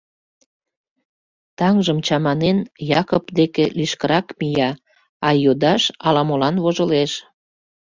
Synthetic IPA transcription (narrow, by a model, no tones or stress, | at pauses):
t̪ɑŋʒəmt͡ɕɑmɑnenjɑkopd̪ekeliʃkəɾɑkmijɑ | ɑjod̪ɑʃɑlɑmolɑnβoʒəleʃ